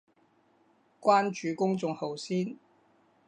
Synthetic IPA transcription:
kwaː˥nt͡ʃyː˨˧kʊ˥ŋt͡sʊ˨˧ŋho˨wsiː˥n

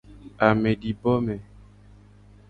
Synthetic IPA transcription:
a˨mɛ˨ɖi˨bɔ˦mɛ˨

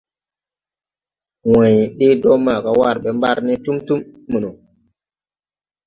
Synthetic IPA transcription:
wã˨ji˨ɗi˦dɔ˦ma˨ka˨wa˦˨ɾɓe˦mba˦ɾni˦tu˦mtu˦mːu˨nu˨

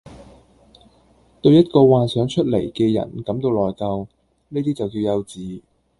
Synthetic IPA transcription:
t̪ɵ˧ɥjɐ˥t̚kɔː˧waː˨˧nsœː˨˥ŋt͡ʃʰɵ˥t̚le˨˩jkɛː˧jɐ̰˨˩nkɐ˨˥mt̪o˧wlɔː˨˩jkɐ˧w | niː˥t̪iː˥t͡sɐ˨wkiː˧wjɐ˧wt͡siː˨˥

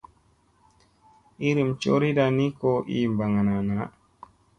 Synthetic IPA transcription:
i˦ɾi˨mt͡ʃo˦ɾi˦da˨ni˦kɔ˦ʔḭ˨mba˨ŋa˨na˨na˨

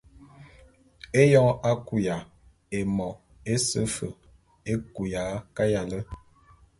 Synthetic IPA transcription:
e˦jɔ˦ʔa˦ku˨ja˨ | e˨mɔ˨ | e˦sə˦fə̰˨ | e˦ku˨ja˨˦ka˦ja˨lə˦

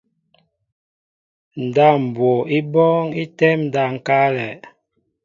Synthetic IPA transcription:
n̩˨da˦˨m̩˨bwo˨i˦bɔ˦ŋi˦tɛ˦mn̩˨da˦˨ŋ̩˨ka˦lɛ˨

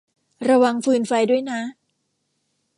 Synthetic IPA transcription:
ɾa˧wa˧ŋfɯː˧nfa˧jdu˥˩əjna˦˥

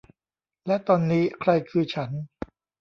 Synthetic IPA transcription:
lɛ˦˥t̪ɔː˧nːiː˦˥kʰɾa˧jkʰɯː˧t͡ɕʰa˦˥n

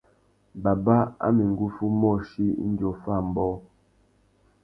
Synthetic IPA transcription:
ba˨ba˦a̰˦mi˨ŋ˨ɡu˦fu˦mɔ˦˨ʃi˦n̩˦djo˨fa˦˨m˨bɔ˦

